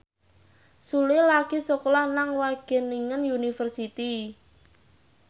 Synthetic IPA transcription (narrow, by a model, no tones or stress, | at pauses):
sulɪlaɡ̥i̤sɔklahnaŋwaɡ̥ɛ̤niŋənjunifərsit̪i